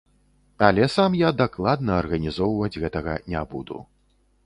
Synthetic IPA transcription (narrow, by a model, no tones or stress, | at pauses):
alʲɛsamjad̪aklˠad̪nɐːrɣɐnʲizɔwvɐd͡zʲɣɛt̪ɐɣɐ̰nʲabud̪ṵ